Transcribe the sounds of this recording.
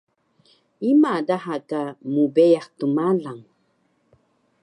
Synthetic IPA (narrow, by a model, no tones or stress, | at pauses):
imadaɦakamubɛjaχtumalaŋ